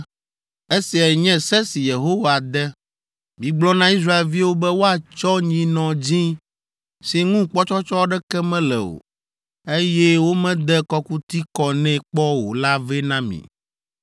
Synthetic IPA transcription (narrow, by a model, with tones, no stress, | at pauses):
e˦si˨a˨ɲɛ̃˦sɛ˦si˨je˨ɦo˦wa˨d̪ɛ˦ | mĩ˨ɡ͡blɔ˦nã˦i˦s̬ɾa˦e˨lvi˦wo˦bɛ˦wo˦a˨t͡ʃɔ˦ɲĩ˨nɔ̃˨d͡ʑĩ˦ | si˨ŋũ˦k͡pɔ˦t͡ʃɔ˦t͡ʃɔ˦ɖɛ˦kɛ˦mɛ̃˦lɛ̰˨o̰˨ | e˦jɛ˦wo˦mɛ̃˦d̪ɛ˦kɔ˦ku˦t̪i˦kɔ˨nɛ̃˦k͡pɔ˦wo˨la˦vɛ˦nã˦mḭ̃˨